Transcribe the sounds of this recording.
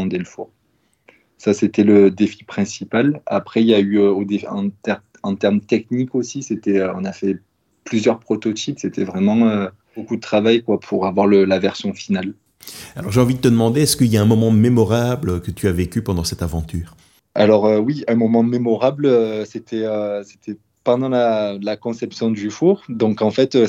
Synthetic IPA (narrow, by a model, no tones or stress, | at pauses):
d̪eləfuʁ | saset̪ɛləd̪efi̥pχɛ̃sipalapχɛiljayøod̪eɑ̰̃t̪ɛʁ | ɑ̃t̪ɛʁmt̪ɛknikosiset̪ɛøɔ̰̃nafɛ | plyzjœʁpχɔt̪ɔt̪ʰipset̪ɛvʁɛmɑ̃ø | b̥okud̪ət̪χavajkwapʰuʁavwaʁləlavɛʁsjɔ̃final | alɔʁʒeɑ̃vid̪ət̪əd̪əmɑ̃d̪eɛskəiljaɛ̃mɔmɑ̃memɔʁablkət̪ʰyavekʲypɑ̃d̪ɑ̃sɛt̪avɑ̃t̪yːʁ | a̰lɔʁøwiɛ̃mɔmɑ̃memɔʁabløset̪ʰɛøse̥t̪ʰɛ | pɑ̃d̪ɑ̃lalakɔ̃sɛpsjɔ̃d̪yfuʁd̪ɔ̃kɑ̃fɛt̪ø